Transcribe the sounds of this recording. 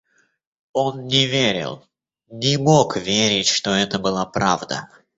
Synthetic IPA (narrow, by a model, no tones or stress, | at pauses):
o̞nnʲɪvʲeɾʲɪ̰lˠ | nʲɪmo̞kvʲeɾʲɪtʲʂt̪o̞ɛt̪əbɨlˠapɾavd̪ə̰